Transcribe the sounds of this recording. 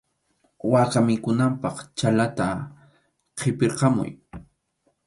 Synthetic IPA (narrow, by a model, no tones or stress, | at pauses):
wakamɪkʊnampɑχt͡ʃalat̪a | qʰɪpeɾqɑmʊ̰j